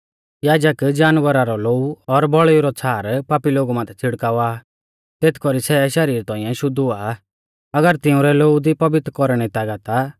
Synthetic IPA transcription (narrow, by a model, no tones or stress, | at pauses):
jaːd͡ʒəkd͡ʒaːnʋəɾaɾɔloːuɔɾbɔɭuɾɔt͡sʰaːɾpaːpiloːɡumãːt̪ʰɛt͡sʰɪɽkaːʊaː | t̪eːt̪ʰkɔɾisɛʃɐɾiːɾt̪ɔ̃ːĩjɛ̃ʃʊd̪ua | ɐɡəɾt̪ɪʊ̃ɾɛloːud̪ipɐbɪt̪ɾkɔɾɽ̃ɛt̪aːɡat̪a